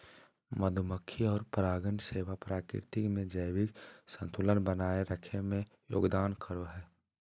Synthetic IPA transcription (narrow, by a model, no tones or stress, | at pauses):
məd̪ʱʊməkʰːiɔːɾpɾaːɡənseːʋapɾaːkɾɪ̰ɾt̪ɪkmẽd͡ʒəjʋɪksə̃nt̪ʰulənbənaːeɾəkʰemẽjo̰ːɡd̪aːnkʰəɾoɦɛː